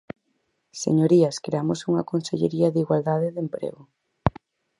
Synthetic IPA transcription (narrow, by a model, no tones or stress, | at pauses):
sḛɲoɾiɐskɾeamosuŋɐkonseʎḛɾiɐðiɣwald̪að̞eðempɾḛɣo